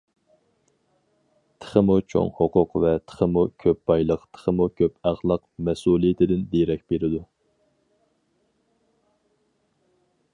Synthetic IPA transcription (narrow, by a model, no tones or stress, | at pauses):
t̪ʰə̥χəmut͡ʃʰo̰ŋhoqʊqvɛt̪ʰə̥χəmukʲʰøp̚b̥ɑjlˠəqt̪ʰə̥χəmukʲʰøpæχlˠɑqmɛsulˠijɪt̪ʰɪd̪ɪnd̪eɾɛk̚ʲb̥eɾɪd̪u